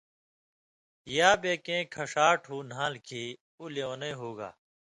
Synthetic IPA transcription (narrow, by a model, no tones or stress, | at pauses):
jaːbeːkẽːkʰɐʂaːʈʰɦuːnãːlkʰiː | uleõːneɦuːɡa̰ː